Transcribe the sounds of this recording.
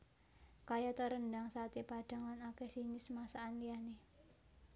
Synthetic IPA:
kajat̪əɾənd̪aŋsat̪ipaɖ̥a̤ŋlanakɛsinisəmasaːnliane

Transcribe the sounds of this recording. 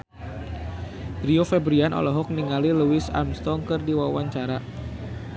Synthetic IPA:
riofɛbɾianʔɔ̰lɔɦɔk̚niŋaliluwɪsa̰mst̪ɔŋkɨrdiwawaɲt͡ʃaɾa

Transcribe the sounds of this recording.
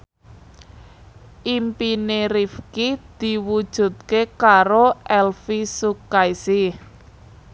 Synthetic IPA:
ʔimpineɾifkid̪̥i̤wud̥ʒ̥ṳt̪̚kekaɾoʔɛlfisukajsi

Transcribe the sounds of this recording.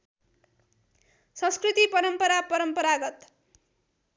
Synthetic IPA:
sʌ̃skrit̪ipʌɾʌmpʌɾapʌɾʌmpʌɾaɡʌt̪

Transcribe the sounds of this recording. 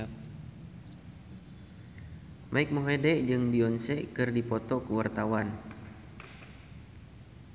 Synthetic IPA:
mʔaik̚moɦedɛʔd͡ʒɨŋbiɔnsɛkɨrdipɔt̪ɔkəwart̪awan

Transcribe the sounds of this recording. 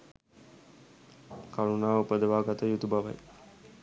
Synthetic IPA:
kaɾunaːupəd̪əʋaːɡat̪əjut̪ubaʋa̰j

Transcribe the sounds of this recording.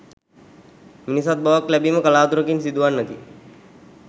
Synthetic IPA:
minisat̪̚baʋəklæbiməkəlaːt̪uɾəkinsid̪uʋanːət̪i

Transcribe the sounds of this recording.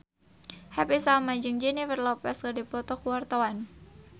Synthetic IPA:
hɛpisamad͡ʒɨŋd͡ʒiniwərlɔpɛskadipɔt̪ɔkuwart̪awan

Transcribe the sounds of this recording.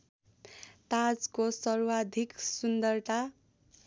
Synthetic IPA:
t̪ad͡zkosʌrwad̪ʱiksund̪ʌrt̪a

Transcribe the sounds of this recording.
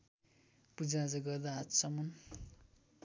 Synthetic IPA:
pud͡zad͡zʌɡʌrd̪aɦat̪sʌmʌn

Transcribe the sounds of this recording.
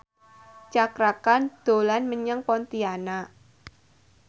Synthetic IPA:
t͡ʃakɾakand̪̥o̤lanməɲəŋpɔnt̪iana

